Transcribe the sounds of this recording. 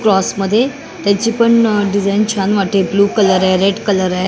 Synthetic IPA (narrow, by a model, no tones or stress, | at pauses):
kɾɔsməd̪ʱːje | t̪jat͡ɕiːpəɳɖid͡zajnt͡ɕʰanʋaʈebluːkələɾaɾeɖkələɾaj